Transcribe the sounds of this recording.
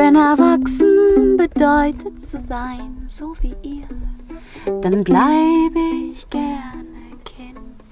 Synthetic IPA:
vɛnɛɐvaksn̩bədɔʏtʰətt͡suzaɪnzoːviːʔiː | d̥anblaɪbəɪçɡ̥ɛɐnə | kʰɛnt

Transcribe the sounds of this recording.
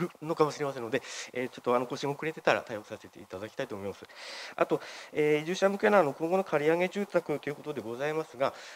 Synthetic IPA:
ɯ̟nokamoɕiɾe̞mas̬e̞nːo̞d̪e̞eːt͡ɕo̞t̪ːo̞ano̞ko̞ɕĩŋokɯ̟ɾe̞t̪e̞t̪aɾa̰t̪aiokɯ̟̥sase̞t̪e̞̰it̪ad̪akʲi̥t̪ait̪omo̞imasɨa̰t̪o̞eːiʑɨːɕamɯ̟ke̞naanokõ̞ŋɡo̞no̞kʰaɾʲiaŋe̞ʑɨːt̪akɯ̟t̪ːo̞jɯ̟ko̞t̪o̞d̪e̞ɡo̞zaimasɨɡa

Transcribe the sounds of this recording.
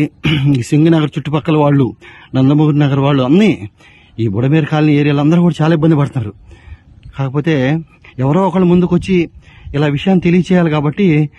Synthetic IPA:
isiŋɡɐnɐɡɐɾt͡ʃuʈːupɐkːɐlɐʋaːɭːunɐnd̪ɐmuɡuɾinɐɡɐɾuʋaːɭːuɐnːi | iːbuɽɐmeːɾkaːlnieːɾijɐlɐnd̪ɐɾukuːɽɐt͡ʃaːlaːibːɐnd̪ipɐɽt̪unːaːɾu | kaːkɐpo̞ːt̪e̞ː | ɛʋɐɾo̞ːɔkɐɭːumund̪ukot͡ʃːiilaːʋiʂɐjaːnit̪elijɐt͡ʃɛːjaːlikaːbɐʈːi

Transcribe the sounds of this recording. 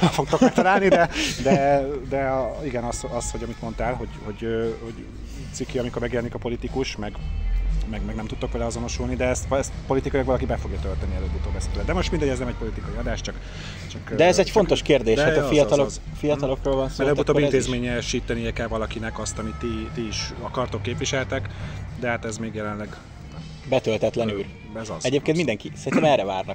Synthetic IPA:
fɛlfo̞k̚t̪o̞kmɛk̚t̪ɒlaːllnid̪ɛd̪ɛd̪ɛiɡɛnɒsɒsho̞ɟɒmit̪mo̞nt̪aːlɦo̞ɟho̞ɟøːho̞ɟ̪ | sikːiɒmikormɛɡjɛlɛnikɒpo̞lit̪ikuʃmɛɡ | mɛɡmɛɡnɛmt̪ut̪ːo̞kʋɛlɛɒzo̞no̞ʃulnid̪ɛɛst̪ɛst̪po̞lit̪ikɒjlɒkɒlɒkibɛfo̞ɡjɒt̪ølt̪ɛniɛløbut̪oːbɛslɛd̪ɛmo̞ʃt̪mind̪ɛɟɛznɛmɛc̚po̞lit̪ikɒjiɒd̪aːʃt͡ʃɒk | t͡ʃɒkd̪ɛɛzɛcfont̪o̞ʃkeːrd̪eːʃaɒfijɒt̪ɒlo | fijɒt̪ɒlo̞kroːlvɒnsoɛløb̪uoːbint̪eːzmeːɲɛʃiːt̪ɛniɛkɛbvɒlɒkinɛkɒst̪ɒmit̪ːit̪iːʃɒkɒrt̪okːeːpʋiʃɛlt̪ɛkd̪ɛhaːt̪ɛzmeːɡjɛlɛnlɛɡ | bɛt̪ølt̪ɛt̪lɛnyl | ɛzɒzɛɟeːp̚keːnt̪mind̪ɛŋkisɛɾinɛmɛrːɛvaːrnɒk

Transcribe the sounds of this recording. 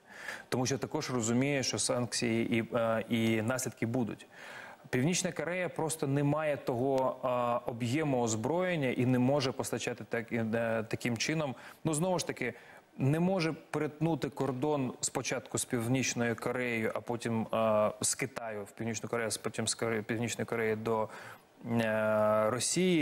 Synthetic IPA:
t̪ɔmuʃt̪ɐkɔʒrɔzʊmʲijɛʃt͡ʃɔsɑnksʲijiʔiinɑsʲlʲid̪kɪbud̪ʊ̰tʲpʲiwnʲit͡ʃnɐkɔɾɛjɐpɾɔst̪ɔnɛmɑjɛt̪ɔɦɔ | ɔbjɛmɔɔzbɾɔjenʲːɐʔinɛmɔʒɛpɔst̪ɐt͡ʃɑt̪ɪt̪ɐkɪmt͡ʃɪnɔmnuznɔʋʊʃt̪ɐkɪ | nɛmɔʒɛpɾɪt̪nut̪ɪkɔrd̪ɔnspɔt͡ʃɑt̪kʊspʲiwnʲit͡ʃnɔjʊkɔɾɛjʊʔɐpɔtʲimskɪt̪ɑjʊwpʲiwnʲit͡ʃnɔjʊkɔɾɛjʊspɔtʲimskpʲiwnʲit͡ʃnɔjʊkɔɾɛjid̪ɔ | ɾɔsʲiji

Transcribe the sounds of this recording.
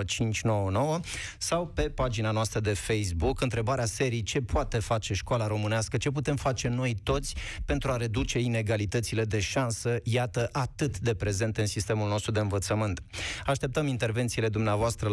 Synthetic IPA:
t͡ʃint͡ʃʲno̞wəno̞wəsawpe̞pad͡ʒinanoast̪ɾəd̪e̞fejs̬bukɨnt̪ɾe̞baɾease̞ɾijt͡ʃe̞poat̪e̞fat͡ʃe̞ʃkoalaɾo̞mɨneaskət͡ʃe̞p̬ut̪e̞mfat͡ʃe̞no̞jt̪o̞t̪sʲpe̞nt̪ɾuaɾe̞d̪ut͡ʃe̞ine̞ɡalit̪ət̪sile̞d̪e̞ʃansəjat̪əʔat̪ɨt̪d̪e̞pɾe̞ze̞nt̪ɨnsist̪e̞mulno̞st̪ɾud̪e̞ɨnvət̪səmɨnt̪aʃt̪e̞p̚t̪əmint̪e̞rve̞nt̪sile̞d̪umneavoast̪ɾə

